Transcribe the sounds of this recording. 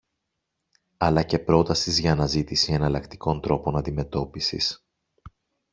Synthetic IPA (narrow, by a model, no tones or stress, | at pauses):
ɐlɐce̞pɾo̞t̪ɐsizʝɐːnɐzit̪isienɐlɐkt̪i̥ko̞nt̪ɾo̞po̞nɐnd̪ime̞t̪o̞pisḭs